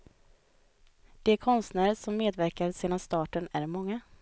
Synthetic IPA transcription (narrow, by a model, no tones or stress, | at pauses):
d̪̥ɛːkʰɔnst̪næːɾəʂɔmːeːd̪væɾkaɾseːd̪anst̪ɑːʈənæɾmɔŋːa